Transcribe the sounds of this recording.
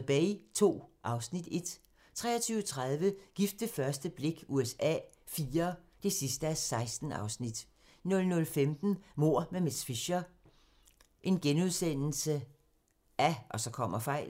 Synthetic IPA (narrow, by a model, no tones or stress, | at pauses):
b̥ɛ̰ɪt͡sʰo̝̰ːʔɑ̈ʊsnid̥e̝d̥ | t͡sʰʁɛ̰ːɐt͡sʰyːʊət͡sʰʁað̞ˠʋəɡ̥ifd̥əfɶɐsd̥əb̥le̝ɡ̥uesɛ̰ː | fiːɐd̥e̝sisd̥əæsɑ̈ɪsd̥n̩ɑ̈ʊsnid̥ | nɔ̽lnɔ̽lfemd̥n̩mo̝ɐ̰meme̥sfiɕɐ | ʔe̝nɡ̥enuðˠsen̰l̩sə | ʔæʔɒ̽sɒ̽kʰɒ̽m̰ɐfɑ̈ɪ̰l